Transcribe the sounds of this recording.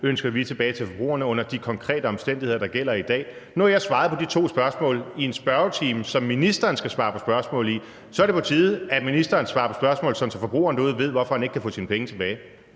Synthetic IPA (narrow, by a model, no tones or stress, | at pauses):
ønsɡ̥ɐʋit͡sʰe̝b̥ɛːɪt͡sʰe̝fɒ̽b̥ʁṵːɐnəɔ̽n̰ɐd̥ikʰɒ̽ŋkʰʁɛ̰ːd̥əɒ̽msd̥en̰d̥ihe̝ðˠɐdɑ̈ɡ̥el̰ɐid̥ɛ̰ːnuæɐjɑ̈ɪsʋɑ̈ːð̩ˠpʰɒ̽d̥it͡sʰo̝̰ːsb̥ɶɐsmɔ̰̽ːlie̝nsb̥ɶɐt͡sʰiːmsɒ̽mːinisd̥ɐːnsɡ̥æsʋɑ̈ːpʰɒ̽sb̥ɶɐsmɔ̰̽ːl̩ˠi | sɒ̽æɐɾe̝pʰɒ̽t͡sʰiːð̩ˠæminisd̥ɐːnsʋɑ̈ːpʰɒ̽sb̥ɶɐsmɔ̰̽ːlsɒ̽nt͡sʰelfɒ̽b̥ʁṵːɐnd̥uð̰ˠʋe̝ð̞̰ˠʋɒ̽fɒhæne̝ɡ̥̚kʰæfɔ̰ːsiːnəpʰeŋət͡sʰe̝b̥ɛːɪ